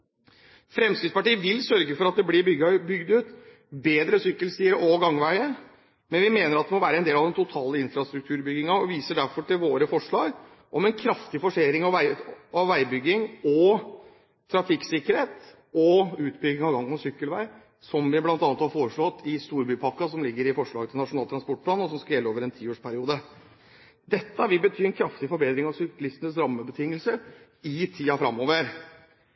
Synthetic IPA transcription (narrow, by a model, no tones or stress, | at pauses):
fɾɛmskɪspɑʈiːəʋɪlsœɾɡəfɔɾɑt̪̚d̪ɛblɪʏɡbʏɡd̪ʉːt̪ | beːd̪ɾəsʏkːəlst̪iːɾəʔɔɡɑŋʋæɪə | mɛnʋɪmeːnəɾɑt̪̚d̪ɛmɔʋæːɾəɛnd̪eːlɑʋd̪ɛnt̪ʰʊt̪ʰɑːləɪnfɾɑst̪ɾʉkt̪ʰʉːɾbʏɡɪŋəɔʋiːsəɖ̪æɾfɔʈɪlʋoːɾəfɔʂɭɑːɡ | ʔɔmɛnkʰɾɑft̪ɪfɔʂeːɾɪŋɑʋæɪɑʋʋæɪbʏɡːɪŋɔ | t̪ʰɾɑfɪksɪkːəɾheːt̪ | ɔʉːt̪bʏɡːɪŋɑʋɡɑŋːənɔsʏkːəlʋæɪ | sɔmʋɪblɑnt̪ɑnət̪hɑɾfoːɾəʂɭɔt̪ːɪst̪uːɾbyːpʰɑkːɑsɔmlɪɡːəɾɪfɔʂɭɑːɡət̪ʰɪlnɑʂʊnɑːlt̪ʰɾɑnspɔʈ̚plɑːnɔsɔmskɑjɛlːoːʋəɾɛnt̪ʰiːoːʂpʰæɾɪuːd̪ə | d̪ɛt̪ːəʋɪbət̪ʰyːɛnkʰɾɑft̪ɪfɔɾbeːd̪ɾɪŋɑʋsʏkːlɪst̪ənəsɾɑmːəbət̪ʰɪŋːəlsə | ɪt̪ʰiːɑfɾɑmːoːʋəɾ